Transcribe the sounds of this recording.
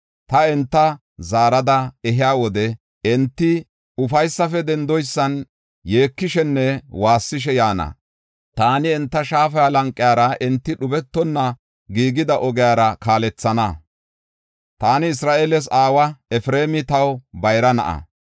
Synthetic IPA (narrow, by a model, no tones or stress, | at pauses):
t̪ɐɛnt̪ːɐ | zaːɾɐd̪ɐɛɦɪjaːwɔd̪ɛ | ɛnt̪ːɪ | ʊfɐjsːɐfɛd̪ɛnd̪ɔjsːɐn | je̞ːkːɪʃɛnːɛwaːsːɪʃɛjaːnɐ̰ | t̪aːnɪɛnt̪ːɐʃaːfɐjalɐŋkʼːɪjaːɾɐʔɛnt̪ːɪɗʊbɛt̪ːɔnːɐ | ɡiːɡɪd̪ɐʔɔɡɪjaːɾɐkaːlɛt͡sːɐnɐ | t̪aːnɪɪsɾaːʔelɛs̬aːwɐɛfɾeːmɪt̪ɐwbɐjɾɐnɐ̰ʔɐ̰